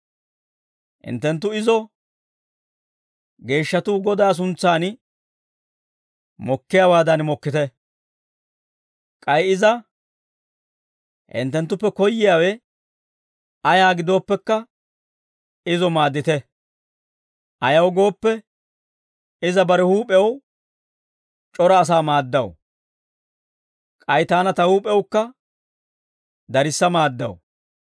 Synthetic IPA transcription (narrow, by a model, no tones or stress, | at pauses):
hɪ̰nt̪ːɛnt̪̬ːʊɪzɔ | ɡe̞ːʃːɐt̪uːɡɔd̪aːs̬ʊnt͡sːaːn | mɔkːɪjawaːd̪ɐnmɔkːɪt̪ɛ | kʼɐjɪzɐ | hɪ̰nt̪ːɛnt̪ːʊpːɛkɔjːɪjaːwɛ | ɐjaːɡɪd̪o̞ːpːɛkːɐ | ɪzɔmaːd̪ːɪt̪ɛ | ʔɐjɐwɡo̞ːpːɛ | ɪzɐbɐɾɛhuːpʼɛw | t͡ʃʼɔɾɐːs̬aːmaːd̪ːɐw | kʼɐjt̪aːnɐt̪ɐhuːpʼɛwkːɐ | d̪ɐɾɪsːɐmaːd̪ːɐ̰w